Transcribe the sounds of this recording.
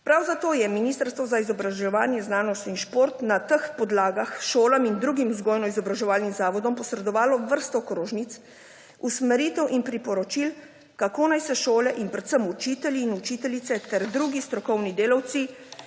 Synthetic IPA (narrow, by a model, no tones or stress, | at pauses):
pɾawzat̪oːjɛminiːst̪əɾst̪ʋɔzaizɔbɾaʒɛʋaːnjɛznaːnɔst̪inʃpoːɾt̪nat̪əxpɔd̪laːɡaxʃoːlamind̪ɾuːɡimzɡɔːjnɔizɔbɾaʒɛʋaːlnimzaːʋɔd̪ɔmpɔsɾɛd̪ɔʋaːlɔʋəɾst̪ɔkɾoːʒnit̪s | usmɛɾiːt̪ɛwʔinpɾipɔɾɔt͡ʃil | kakoːnajsɛʃoːlɛʔinpɾɛt̪səmut͡ʃit̪ɛlʲiːnut͡ʃit̪ɛlit̪sɛt̪ɛɾd̪ɾuːɡist̪ɾɔkɔwnid̪eːlawt̪si